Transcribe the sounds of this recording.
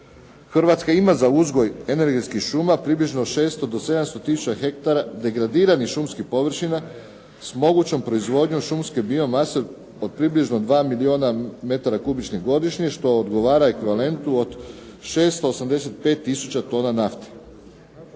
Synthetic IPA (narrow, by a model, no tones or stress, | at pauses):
xr̩ʋat̪skaimazauzɡo̞je̞ne̞ɾɡe̞t̪skixʃumapɾibliʒnoʃe̞ːst̪od̪ose̞d̪amst̪o̞t̪isu̥t͡ɕaxe̞k̚t̪aɾad̪e̞ɡɾad̪iːɾanixʃumskipo̞ʋr̩ʃina | smo̞ɡut͡ɕo̞mpɾo̞izʋo̞d̪ɲoʃumske̞bio̞mase | o̞d̪̚pɾibliʒno̞d̪ʋaːmilio̞ːname̞t̪aɾakubit͡ɕniɦɡo̞d̪iʃɲeʃt̪o̞od̪ɡo̞ʋaːɾaekʋiʋale̞nt̪uod̪ʃe̞ːst̪oosamd̪e̞se̞t̪̚pe̞ːt̪ːisut͡ɕat̪o̞ːnanaft̪e̥